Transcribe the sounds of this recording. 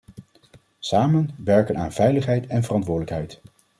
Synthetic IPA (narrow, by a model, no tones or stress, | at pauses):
saːmənʋɛɹkənaːnv̥ɛjləχɦɛjtɛnvərɑntʋʊːɹdələkɦɛjt